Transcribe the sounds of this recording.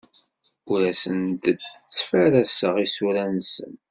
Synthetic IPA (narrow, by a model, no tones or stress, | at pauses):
ʊɾæsənt̪ət͡st͡sːfæɾæsəʁisuɾænsə̰n